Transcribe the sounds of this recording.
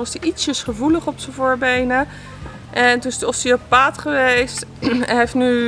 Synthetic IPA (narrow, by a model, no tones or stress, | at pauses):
ʋɑstiʔitsəsχəvuləχɔpsənvʊːɹbejnə | ʔɛntunɪsdiɔsiapaːtχəʋejstɛnɦejftny